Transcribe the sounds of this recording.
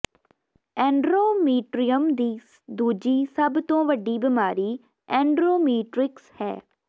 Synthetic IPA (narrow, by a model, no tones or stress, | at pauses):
ɛ̃ːɳɖɾoːmiːʈɾijəmd̪iː | d̪uːd͡ʒiːsəbt̪õːʋəɖiːbɪmaːɾiː | ɛ̃ːɳɖɾoːmiːʈɾɪkshɛ̰ː